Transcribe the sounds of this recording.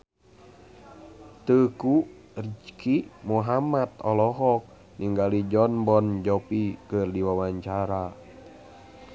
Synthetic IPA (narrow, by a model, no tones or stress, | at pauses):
t̪əku | rd͡ʒkimuɦamat̪ɔlɔɦɔk̚ | niŋɡalid͡ʒɔnbɔnd͡ʒɔpikɨrdiwawaɲt͡ʃaɾa